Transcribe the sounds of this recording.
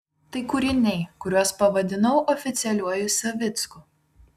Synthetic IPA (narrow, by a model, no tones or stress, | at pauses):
t̪ɐɪkʊɾʲɪnʲɛɪkʊɾʲuɔspɐʋɐd̪ʲɪnɐʊʔɔfʲɪt̪sʲɪɛlʲuɔjʊsʲɐʋʲɪt̪skʊ